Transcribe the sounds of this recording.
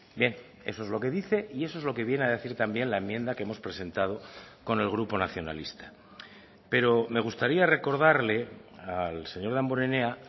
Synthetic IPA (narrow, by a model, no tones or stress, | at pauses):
bje̞n | e̞so̞ezlo̞ke̞ðiθe̞ʔie̞soe̞zlo̞ke̞βjenaðe̞θiɾt̪ambje̞nlae̞mːjẽ̞nd̪akeemospɾe̞se̞nt̪að̞o̞ko̞ne̞lɣ̞ɾupo̞naθjo̞na̰list̪ḁ | pe̞ɾo̞me̞ɣ̞ust̪aɾiare̞ko̞ɾð̞aɾle̞alse̞ɲo̞ɾðamboɾene̞a